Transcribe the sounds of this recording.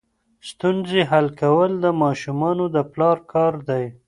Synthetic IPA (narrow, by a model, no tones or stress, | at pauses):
st̪unzeɦalkawəld̪əmɑʃumɑnod̪əplɑɾkʰɑɾd̪aj